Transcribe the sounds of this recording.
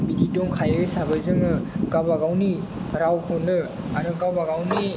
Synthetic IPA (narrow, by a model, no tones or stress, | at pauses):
bididoŋkʰajɯjsabɯzɯŋɯkabaɡawni | ɾawkʰonɯ | aɾɯkabaɡawni